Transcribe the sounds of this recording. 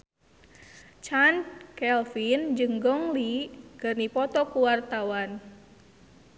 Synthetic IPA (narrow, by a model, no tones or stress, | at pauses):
t͡ʃankɛlfind͡ʒɨŋɡɔŋlikɨrnipɔt̪ɔkuwart̪awan